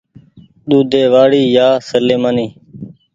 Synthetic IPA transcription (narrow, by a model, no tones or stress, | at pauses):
ɗ̪uːd̪eːʋaːɽiːjaːsəleːmaːniː